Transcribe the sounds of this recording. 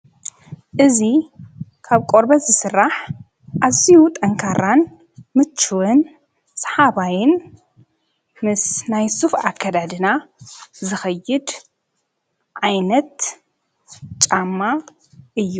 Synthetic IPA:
ʔɨzikʰaβkʼoɾbɐzɨsɨrːaħ | ʔazijut̪ʼɐŋkʰaɾan | mɨt͡ʃʰːɨwɨn | sʼɐ̥ħaβajɪn | mɨsnajsufa̰kʰːad̪ad̪ɨnazɨxɐjːɨd̪ | ʕajnɐt̪ | t͡ʃʼamːa | ʔɨjːu

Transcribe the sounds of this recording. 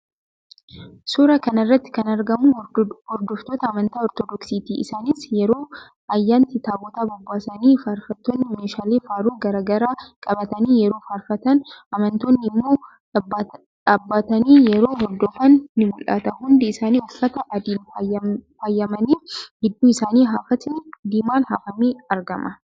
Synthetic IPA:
sʊɾɐkɐnɪrːɐt̪ːɪ̥kɐnɐɾɡɐmʊhɔɾd̪ɔft̪oːt̪ɐːmɐnt̪aːɔɾt̪ɔd̪ɔksiːt̪iːʔɪsaːniːsjɛɾoː | ɐjːaːnt̪ɪt̪aːbɔt̪aːbɔbːaːsɐniːfaːɾfɐt̪ːoːnːɪmeːʃaːleːfaːɾuːɡɐɾaːɡɐɾaːkʼɐbɐt̪ɐniːjɛɾo̞ːfaːɾfɐt̪ɐnʔɐmɐnt̪oːnːɪɪmːoː | ɐbːaːt̪ɐniːjɛɾo̞ːɦɔɾd̪ɔfɐnːɪmʊlʔɐ̰t̪ɐɦʊnd̪ɪɪsaːniːʊfːɐt̪ɐʔɐd̪il | fajːɐmɐniːfɡɪd̪ːuːɪsaːniːɦafɐt̪ɪd̪iːmaːnha̰ːfɐmiːɐɾɡɐmʔɐ

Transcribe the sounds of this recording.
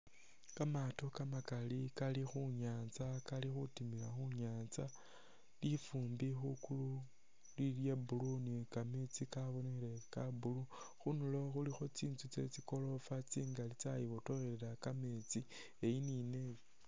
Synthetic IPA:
kamato̞kamakalikalixuɲaːnt͡sakalixutimiɾaxuɲaːnt͡sa | lifuːmbixukulu | liljebulunikamet͡sikaβo̞nexɾe̞kabulu | xunulo̞xulixo̞t͡siːnt͡sut͡se̞̰t͡siko̞lo̞fat͡siːŋɡalit͡sajiβoto̞relelakame̞t͡si | ejinine̞jo

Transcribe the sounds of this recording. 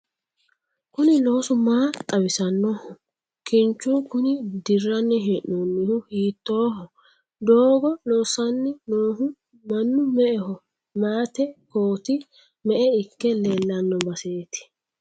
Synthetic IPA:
kʊnɪlo̞ːsʊmaːt̪ʼɐbɪsɐnːɔhʊ | kɪnt͡ʃːuːkʊnɪd̪ɪrːɐnːɛɦeʔonːɪhʊhiːt̪ːoːɦɔ | d̪oːɡɔloːsɐnːɛnoːɦʊ | mɐnːʊmɛʔɛhɔ | maːt̪ɛkoːt̪ɪ | mɛʔɛɪkːɛleːlːɐnːɔbɐseːt̪ɪ̥

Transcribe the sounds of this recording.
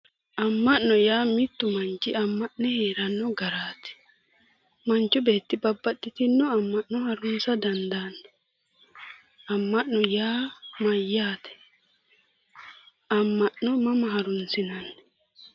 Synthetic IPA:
ʔɐmːɐnnɔjaːmɪt̪ːʊmɐnt͡ʃːɪɐmːɐʔnɛheːɾɐnːɔɡɐɾaːt̪ɛ̥ | mɐnt͡ʃːʊbe̞ːt̪ːɪbɐbːɐtːɪt̪ɪnːɔɐmːɐʔnɔhɐɾʊnsɐd̪ɐnd̪anːɔ | ɐmːɐʔnɔjaːmɐjːaːt̪ɛ̥ | ɐmːɐʔnɔmɐmɐhɐɾʊnsɪnɐnː

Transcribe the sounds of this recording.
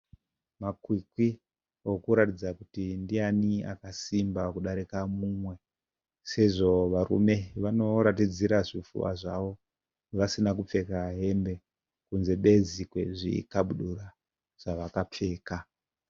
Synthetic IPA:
makwikwi | o̞kuɾatid͡zakutindiania̰kasimbakuɗaɾikamumwe̞ | se̞ʐo̞ʋaɾṵme̞ʋano̞ɾatid͡ziɾaʐifṵʋa̰ʐaʋo̞ | ʋasinak̬up͡fe̞kaɦe̞mbe̞ | kunze̞ɓe̞d͡zikwe̞ʐḭkaɓuɗuɾa | ʐ̥aʋakap͡fe̞ːka

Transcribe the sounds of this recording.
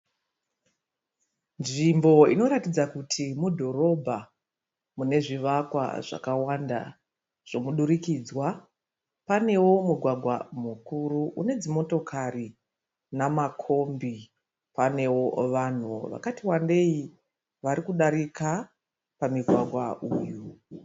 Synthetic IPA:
nʐimbo̞ḭno̞ɾatid͡zakutʰimudʱo̞ɾo̞bʱa | mune̞ʐiʋakwa̰ʐa̰kawanda̰ | ʐ̥o̞muɗuɾikiːd͡zwa | pane̞wo̞muɡʱwaɡʱwa̰mukuɾuʔune̞d͡zimo̞to̞kʰari | namakʰo̞mbi | pane̞wo̞ʋan̤uo̰ʋa̰katiwande̞i | ʋaɾikuɗaɾika | pamiɡʱwaɡʱwa̰uːju

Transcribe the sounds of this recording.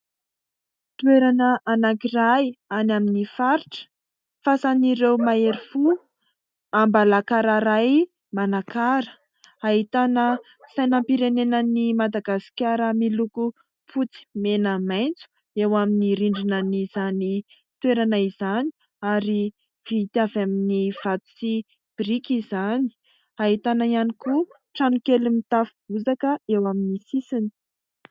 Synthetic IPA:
t̪weɾanəʔanakirajanaminifaɾiʈ͡ʂə̥ | fasaniɾewmaeɾifu | ambalakaɾaɾaj | manakaɾə̥ | ait̪anə | sajnampiɾenenənimad̪aɡasi̥kʲaɾəmiluku | pʰut͡si̥menəmajnt͡su̥ | ewaminiɾiɳɖ͡ʐinəniz̥ani | t̪weɾanaizani̥ | aɾi | v̥iit̪iavaminiv̥at̪u̥si | b̥irikizani̥ | aɦit̪anaianiku | ʈ͡ʂanukelumit̪afub̥uzakəewaminisisini̥

